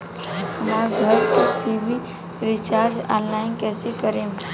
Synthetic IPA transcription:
əmaɾɡʱəɾkot̪ʰibi | ɾit͡ʃaːɾd͡ʒãnlaɪnkɛːsekəɾeːm

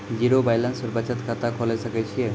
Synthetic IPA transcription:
d͡ʒiɾobajlansɔɾbat͡ʃat̪kʰat̪akʰɔlesəket͡ʃʰie

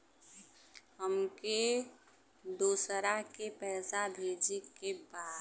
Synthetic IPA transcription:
ɦəmke | d̪uːsɾakepɛːsad̪ʱeːd͡ʒikebaːd̪

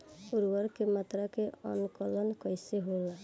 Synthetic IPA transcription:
uɾwəɾkemət̪ɾakeə̰nkələnkəɪseɦola

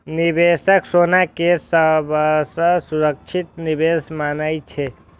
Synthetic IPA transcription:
nibesəksonakesəbəsə̃suɾək̚t͡ʃʰit̪nibed̪ʱmanəjt͡ʃʰɛ

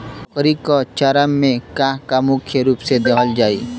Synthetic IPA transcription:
ʊkɾikot͡ʃɐɾəmːẽkãkamʊkʰjəɾuːpsed̪ekəld͡ʒaːḭː

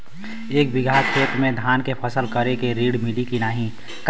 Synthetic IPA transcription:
eːk̚bɪɡʱaːkʰeːt̪mẽd̪ʱaːnkepʰəsəlkəɾekeɾiːɽmɪlikinaːɦĩ | k

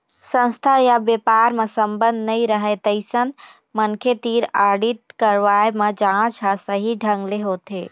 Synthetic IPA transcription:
sə̃nst̪ʰajabjepaːɾmẽsə̃mbə̃nd̪nəĩɾəɦet̪əɪsən | mənkʰet̪iːɾaːɽit̪̚kəɾʋaemẽd͡ʒãt͡ʃʰasəɦiɖʱə̃ŋɡleɦoːt̪eː

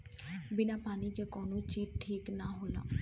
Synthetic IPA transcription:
bɪnaːpaːniːd͡ʒeːkɔːnũːt͡ʃiːdʈʰiːknaːɦoːla̰ː

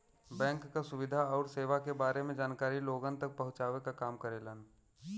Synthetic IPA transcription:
bɛ̃ːŋkːasʊʋɪd̪ʱaɔːɾseːʋakebaːɾemẽd͡ʒaːnkaːɾiloːɡənt̪ək̚pɐɦʊ̃t͡ʃaːʋekakaːmkəɾeːlən

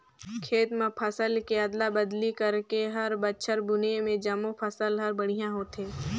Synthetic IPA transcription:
kʰeːt̪mə̃pʰəsəlkeɐd̪labɐd̪likɐɾkeɦɐɾbətːʃʰəɾbʊnemẽd͡ʒɐmõpʰəsəlɦɐɾbɐɽ̤ijãɦoːt̪ɦẽː

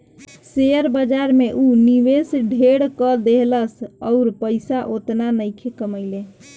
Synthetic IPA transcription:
seəɾbəd͡ʒaɾmeʔuniʋesɖʱeɽkəd̪eɦləsəʊɾpəɪsaʔot̪nanəjkʰekəməjle

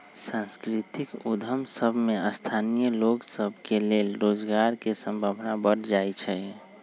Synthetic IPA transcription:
sãnskɾit̪ikud̪ʱəmsəbʱmẽəst̪ʰanijəloːɡsəbʱkeleːlɾoːd͡ʒɡaːɾkesə̃mbʱabnabəɽd͡ʒait͡ʃʰɛ

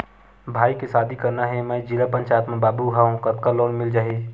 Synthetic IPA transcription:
bʱaːikesaːd̪ʱikɐɾnaɦɛmɛd͡ʒilapə̃ɲt͡ʃaːjt̪mẽbaːbuɦaɦũkɐt̪̚kaloːnmɪld͡ʒaːɦeː

